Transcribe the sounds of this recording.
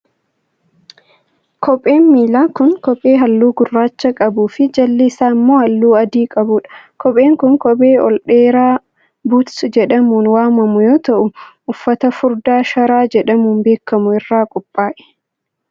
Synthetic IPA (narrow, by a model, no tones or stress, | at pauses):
kʰɔpʼːe̞ːnmiːlaːkʊnkɔpʼeːɦɐlːuːɡʊrːaːt͡ʃːɐkʼɐbuːfɪd͡ʒɐlːiːsaːmːoːhɐlːuːɐd̪iːkʼɐbʊᶑɐ̥kɔpʼe̞ːŋkʊŋkɔbʼe̞ːʔɔ̰lᶑeːɾaː | but̪sd͡ʒɛᶑɐmuːnwaːmɐmʊjoːt̪ɐʔʊʔʊfːɐt̪ɐfʊɾd̪aːʃɐɾaːd͡ʒɛᶑɐmuːnbe̞ːkːɐmʊɪrːaːkʼʊpʼːaːʔɛ̥